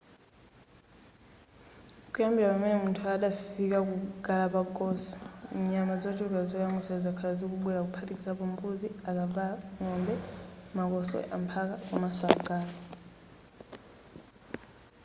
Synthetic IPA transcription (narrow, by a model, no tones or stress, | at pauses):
kujambiɾapamɛnɛmuntʰuaɗafikakuɡalapakɔsi̥ɲamazɔt͡ʃiɾkazɔjaŋɡɔsazakʰalazɔkuɓwɛɾakupʰatikizapɔmbuziakavaŋɔmbɛmakɔsɔ̰ʔa̰mpʰakakamasɔakuɡaːla